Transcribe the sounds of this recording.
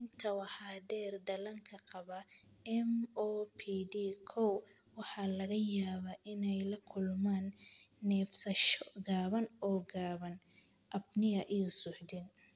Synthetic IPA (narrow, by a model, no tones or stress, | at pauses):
ɪnt̪ʰɐwɑħɑːɖɛːrdɐlɐŋkʰɐqɑβɐ | ɛmɔːpʰidikʰɔw | wɑħɑlɐɣɐjaːβaʔɪnɛjlɐkʰʊlmaːnːɛːfsɐʃɔɡaːβɐnɔːɡaːβɐn | ʔɐbnɪɐʔijɔsʊħd̪ɪn